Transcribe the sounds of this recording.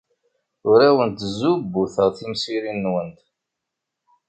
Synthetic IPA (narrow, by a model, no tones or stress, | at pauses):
ʊɾæwənt̪zubːuθəʁθimsiɾinːwənt̪